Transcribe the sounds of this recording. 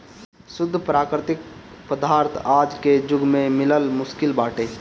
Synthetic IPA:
sʊd̪ʱːpɾaːkɾɪt̪ɪk̚ | pəd̪aːɾt̪ʰaːd͡ʒked͡ʒʊɡmẽmɪləlmʊskɪlbaːʈeː

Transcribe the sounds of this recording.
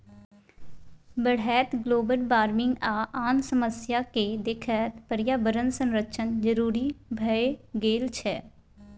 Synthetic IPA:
bəɽɦɛːt̪ɡloːbəlbaːɾmɪŋɡaːʔaːnsəməsɪjaːkeːd̪ɪkʰɛːt̪pəɾɪjaːbəɾənsə̃nɾəʃənd͡ʒəɾuːɾiːbʱəeːɡeːlt͡ʃʰɛː

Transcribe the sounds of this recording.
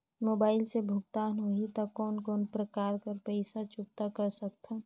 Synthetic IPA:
moːbaːɪlsebʱʊkt̪aːnɦoit̪akɔːnkɔːnpɾəkaːɾkəɾpəɪsat͡ʃʊp̚t̪akəɾsək̚t̪ʰɛ

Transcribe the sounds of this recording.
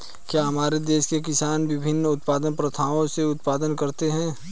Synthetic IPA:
kjaːɦɐmaːɾed̪eːʃkekɪsaːnʋɪbʱɪnːʊt̪paːd̪ənpɾət̪ʰaːʋõseʊt̪̚paːd̪ənkɐɾt̪eɦɛ̃ː

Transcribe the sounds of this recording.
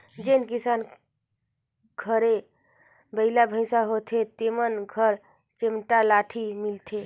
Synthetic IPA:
d͡ʒenkisan | ɡʱəɾe | bəɪlabʱə̃ɪ̃saɦot̪ʰet̪emənɡʱəɾ | t͡ʃemʈalaʈʰimilt̪ʰe

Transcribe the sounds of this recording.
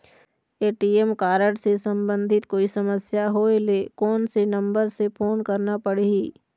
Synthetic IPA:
eːʈiːemkaːɾəɽsesə̃mbə̃nd̪ʱɪt̪koːisɐməsjaɦoelekɔːnsenɐ̃mbəɾsepʰoːnkəɾnapəɽiiː

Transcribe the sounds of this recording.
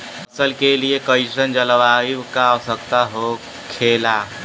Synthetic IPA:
ɐsəlkeliekəɪʃənd͡ʒələʋaːikaɔsəkt̪aɦo | kʰeːlaː

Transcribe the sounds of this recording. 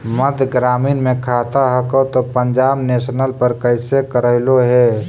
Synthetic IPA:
məd̪ʱɡɾaːmiːnmẽkʰaːt̪aɦəkot̪opə̃ɲd͡ʒaːbneːʃnəlpəɾkəɪsekəɾəɦloɦɛː

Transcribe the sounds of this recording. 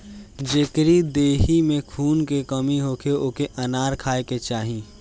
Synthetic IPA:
d͡ʒekɾid̪eːɦimẽkʰuːnkekəmiɦoːkeoːkeʔənaːɾkʰaːeket͡ʃaːɦĩ

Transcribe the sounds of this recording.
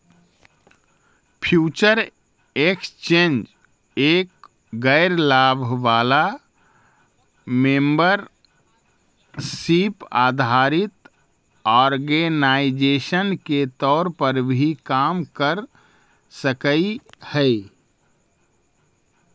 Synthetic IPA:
pʰjuːt͡ʃəɾ | ekst͡ʃẽnd͡ʒ | eːk̚ | ɡəɪɾlabʱʋala | membəɾ | sipa̰d̪ʱaɾit̪ | ɔːɾɡenaɪd͡ʒesənket̪ɔːɾpəɾbʱikaːmkəɾ | səkəihəɪ

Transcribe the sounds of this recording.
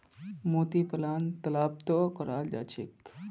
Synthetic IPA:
moːt̪ipɐlaːnt̪ɐlaːb̚t̪okəɾaːld͡ʒa̰t͡ʃʰḭk

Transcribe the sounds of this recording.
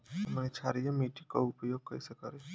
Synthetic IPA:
mənet͡ʃʰaɾijəmiʈikoupjoɡ̚kəisekəɾe

